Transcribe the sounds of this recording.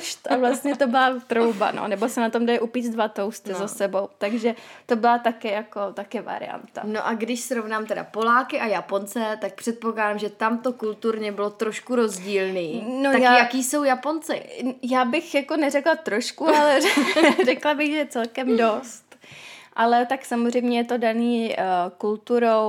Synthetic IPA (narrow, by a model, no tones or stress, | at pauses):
ʃt̪ʔavlast̪ɲɛt̪o̞bɪlat̪ɾo̞wba̰no̰nɛbo̞sɛnat̪o̞mdajʔupiːt͡sdvat̪owst̪ɪzasɛbo̞wt̪aɡʒɛt̪o̞bɪlat̪akɪjako̞t̪akɪva̰ɾɪ̰ja̰nt̪a̰noʔaɡdɪʃsɾo̞vnaːmt̪ɛda̰po̞laːkɪʔajapo̞nt͡sɛt̪ak̚pr̝̥ɛt̪̚poklaːdaːmʒɛt̪amt̪o̞kult̪uɾɲɛbɪlot̪ɾo̞ʃkuɾo̞zɟiːlniːnot̪ajajakiːso̞wjapont͡sɪ̰jaːbɪxjako̞nɛrɛklat̪ɾo̞ʃkualɛrɛklabɪɣʒɛjɛt͡sɛlkɛmdo̞st̪ʔalɛt̪aksamozr̝ɛjmɲɛjɛt̪o̞daniːkult̪uɾo̞w